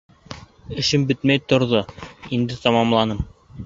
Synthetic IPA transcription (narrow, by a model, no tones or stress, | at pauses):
ɘ̆ʃɘmbɘt̪mæjt̪ŏɾðoind̪ɘt̪ɑmɑmlˠɑnɤm